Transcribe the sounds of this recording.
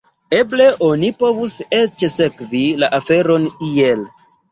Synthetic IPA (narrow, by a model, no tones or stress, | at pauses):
eble̞ʔo̞nipo̞vuset͡ʃsekvilaʔafe̞ɾo̞niel